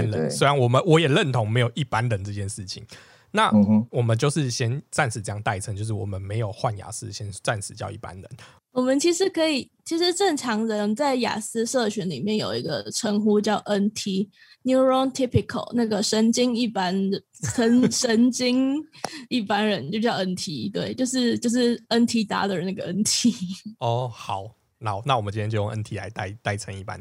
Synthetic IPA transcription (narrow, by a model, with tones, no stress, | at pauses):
nlə˨˦nswe˥ɪɻa˧˦nwɔ˨˩mə˨˦nwɔ˧˦jɛ˨˩lə˥˨nt̪ʰo˧˦ŋme˧˥ɪjo˨˩ʊi˥˩pa˦nlə˨˦nʈ͡ʂɤ˥˧t͡ɕjɛ˥˧nʂɻ̩˥˩t͡ɕʰḭ˨˦ŋ | na˥˨wɔ˨˩mə˨˦nt͡ɕjo˥˧ʊʂɻ̩˥˩ɕjɛ˦˥nt͡sa˥˩nsɻ̩˨˩t͡sə˦jɑ˥˧ŋt̪a˥˩ɪʈ͡ʂʰə˧˦ŋt͡ɕjo˥˧ʊʂ̬̩˥˩wɔ̰˨˩mə˦nme˧˦ɪjo˨˩ʊxwa˥˨nja̰˨˩sɹ̩˦˥ɕjɛ˦nt͡sa˥˩nsʰɻ̩˨˩t͡ɕjɑ˥˧ʊḭ˥˩pa̰˦nɻə̰˨˦n | wɔ˨˩mə˨˦nt͡ɕʰi˧˥ʂɻ̩˧˥kʰɤ˧˥i˨˩t͡ɕʰi˧˥ʂɻ̩˧ʈ͡ʂə˥˩ŋʈ͡ʂʰɑ˧˥ŋɻə˧˦nt͡sa˥˩ɪja̰˨˩sɹ̩˥ʂɤ˥˩ɕɥɛ˧˥nlḭ˨˩mjɛ˥˩˨njo̰˨˩ʊḭ˧˥ɡə̰˧ʈ͡ʂʰə˧˥ŋxu˥t͡ɕjɑ˥˩ʊʔə˦nt̪ʰi˧˥ | nju˧˥ɹɔ˦ŋt̪ʰi˥pi˨kʰə̰˨˩lna˥˩ɡə˩ʂə˧˦nt͡ɕi˥ŋi˥˩pa˦n˩ | ə˧˦nʂə˧˦˥nt͡ɕi˥ŋ | i˥˩pa˥nɻə˧˦nt͡ɕjo˥˧ʊt͡ɕjɑ˥˩ʊʔə˦nt̪ʰi˧˥t̪we˥˩ɪt͡ɕjo˥˧ʊʂ̬ɻ̩˥˩t͡ɕjo˥˧ʊʂ̬ɻ̩˥˩ə˦nt̪ʰi˧˥t̪a̰˧˥d̪ə˨na˥˩ɡə˩ʔə˦nt̪ʰi˥ɔ˥˩xɑ˨˩˦ʊ | na˨˩˦na˥˩wɔ˨˩mə˨t͡ɕĩ˦njɛ˧˥jo˥˧jo˥˧ʔə˦nt̪ʰi˧la˧˦ɪt̪a̰˥˩ɪt̪a˥˩ɪʈ͡ʂʰə˧˦ŋi˥˩pa̰˦n